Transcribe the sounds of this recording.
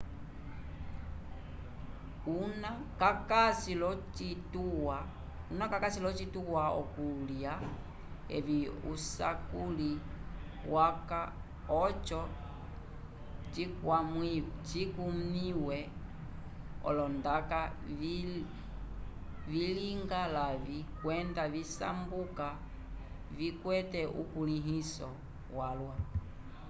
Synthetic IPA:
unakakasilɔt͡ʃituwa | unakakasilɔt͡ʃituwaɔ̰kulja | ɛ̰viṵsa̰kuli | waka | ɔt͡ʃɔ | t͡ʃikwamit͡ʃikumiwɛ | ɔ̰lɔndaka | viliŋɡalavikwɛndavisa̰mbuka | vikwɛtɛʔṵkuliɦisɔ | walwa

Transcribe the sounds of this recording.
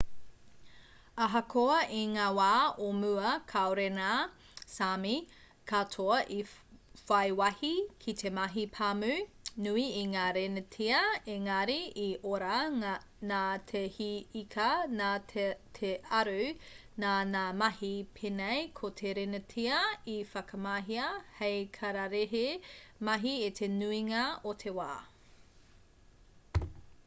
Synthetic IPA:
ɐɦɐkʰoɐiŋaːwaːomʉɐkʰaoɾena | sami | kʰatʰoɐʔi | fɐjwɐhikʰitʰemɐɦipʰamʉ | nʉiiŋaːɾenətʰiɐeŋɐɾiiʔoɾɐ | naːtʰehiikʰɐnatʰeɐɾʉ | naːnaːmɐhipʰenejkʰotʰeɾenətʰiɐifɐkɐmaːɦiɐhejkʰɐɾɐɾeɦemɐɦietʰenuiŋɐotʰewaː

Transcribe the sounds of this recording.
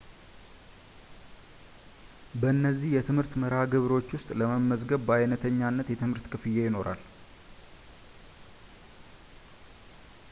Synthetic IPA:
bəɨnːəzːihjɛt̪ʰɨmhɨɾt̪məɾaɡɨβɾo̞t͡ʃːwʊst̪ʼləməmːəzɡəβbajnət̪ʰəɲːanːət̪jɛt̪ʰɨmhɨɾt̪kʰɨfɨjːejɪno̞ɾʔa̰l

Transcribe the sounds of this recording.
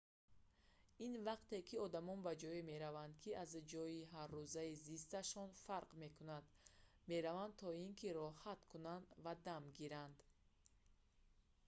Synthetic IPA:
invaqt̪e̞kʰiɔd̪amɔnbad͡ʒɔime̞ɾavand̪̚kʰiazd͡ʒɔiɦaɾːuzaizist̪aʃɔnfaɾqme̞kʰunad̪ | me̞ɾavand̪̚t̪ʰɔinkʰiɾɔhat̪kʰunand̪vad̪amɡiɾand̪

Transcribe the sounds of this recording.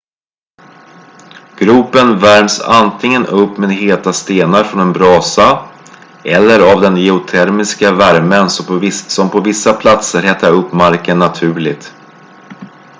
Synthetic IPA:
ɡ̥ɾʉ̟ːpənvæɾmsa̰nt̪ʰɪŋːənɵpːmɛd̪ɦeːt̪ast̪eːnaɾfɾɔnɛnbɾɑːsa | ɛlːəɾavd̪ɛnjɛʊt̪ʰɛɾmɪskavæɾmənssɔmpʰɔvɪsːapʰlat̪səɾhɛt̪ʰːaɾɵpːmaɾkənːat̪ʰʉ̟ːɭɪt̪

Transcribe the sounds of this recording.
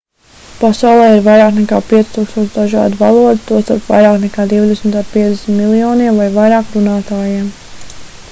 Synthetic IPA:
pasawlˠɛːiɾvajɾaːknɛkaːpiɛsʲt̪uːkst̪uɔt͡ʃ̪d̪aʒa̰ːd̪va̰lˠuɔd̪it̪uɔst̪aɾpva̰jɾaːknɛkaːd̪iwd̪ɛsmt̪aːd̪piɛd̪ʲɛsmʲit̪milˠijɔːniɛmvajvajɾaːkɾunaːt̪aːjim

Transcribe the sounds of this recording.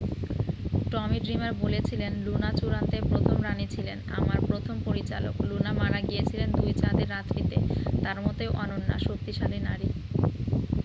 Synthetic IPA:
ʈɔmiɖɾimaɾbolet͡ɕʰilenlunat͡ɕuɾant̪epɾot̪ʰomɾanit͡ɕʰilena̰maɾpɾot̪ʰompoɾit͡ɕa̰lo̰klunamaɽaɡijet͡ɕʰilend̪ujt͡ɕad̪eɾːat̪ɾit̪et̪aɾmɔt̪eoʔɔnonːa̰ʃok̚t̪iʃalinaɾi

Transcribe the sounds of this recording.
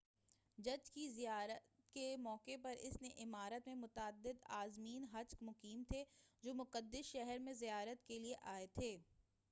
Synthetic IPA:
d͡ʒɐd͡ʒkizijaːɾət̪kemɔːkepɐɾɪ̰sneʔɪmaːɾət̪mẽmʊt̪əd̪ːɪd̪aːzmiːnɦɐt͡ʃkmʊqiːmt̪ʰed͡ʒoːmʊqəd̪ːɪsʃɛɦɛɾmẽzijaːɾət̪kelieʔaːet̪ʰeː

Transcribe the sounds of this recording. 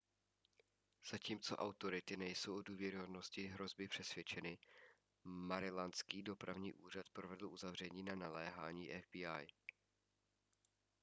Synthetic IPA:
z̥aciːmt͡so̞̰ʔawt̪o̞ɾɪt̪ɪnɛjsowʔoduːvjɛɾɪɦo̞dno̞scɪɦɾo̞zbɪpr̥ɛsvʲjɛt͡ʃɛnɪ | maɾɪlanskiːdo̞pɾavɲiːʔuːr̝at̪pɾo̞vɛdl̩ʔuzavr̝ɛɲiːnanalɛːɦaːɲiːʔɛvbiːaj

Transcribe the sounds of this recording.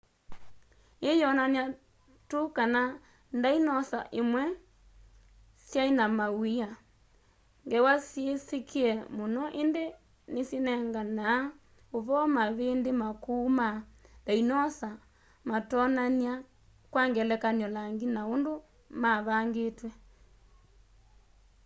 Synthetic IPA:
ejɔnania | tokana | ndainɔsa̰ʔemwɛ | sjainamawia | ŋɡɛwasjesekʰeɛmonɔʔende | nesinɛŋɡanaː | oβɔmaβendemakuːmandainɔsa | matɔnania | kwaŋɡɛlɛkanɔlaŋɡinaondo | maβaŋɡetwɛ

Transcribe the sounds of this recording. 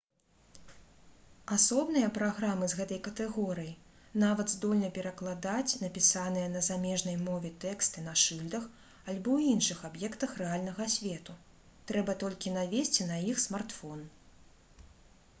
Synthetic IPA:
asɔbnɨjɐpɾaɣɾamɨzɣɛt̪ɐjkɐt̪ɛɣɔɾɨjinavɐd̪zd̪ɔlʲnɐpʲɛɾɐklˠad̪at͡sʲnɐpʲisanɨjɐnɐzamʲɛʐnɐjmɔvʲɛt̪ɛkst̪ɨnaʂɨlʲd̪ɐx | alʲbɔwinʂɨxabjɛkt̪ɐxrɛalʲnɐɣɐsʲvʲɛt̪u | t̪ɾɛbɐt̪ɔlʲkʲinavʲesʲt͡sʲinɐjixsmart̪fɔn

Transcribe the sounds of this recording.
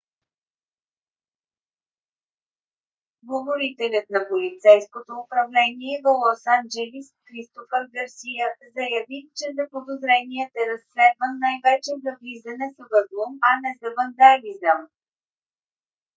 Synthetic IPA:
ɡovoɾit̪ɛlʲət̪nɐpolʲit̪sɛjskot̪oːpɾɐvlɛniɛvəlˠɔsand͡ʒɛlʲisxɾist̪ofəvɡəɾsijəzɐjɐvit͡ʃɛzɐpod̪ozɾɛniət̪ɛɾɐsːlɛd̪vənːajvɛt͡ʃɛzɐvlizɐnɛsɐvəd̪lˠomɐnɛzɐvənd̪alizəm

